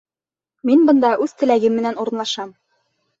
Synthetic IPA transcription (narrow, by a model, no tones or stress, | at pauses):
minbɤ̆nd̪ɑʔʉðt̪ɘ̆læɡɘmːɘ̆nænuɾɤ̆nlˠɑʃɑm